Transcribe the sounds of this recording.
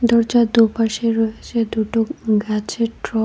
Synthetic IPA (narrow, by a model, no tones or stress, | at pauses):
d̪ɔɾd͡ʑad̪upaʃeɾɔet͡ɕʰed̪uʈoɡat͡ɕʰeʈɾɔ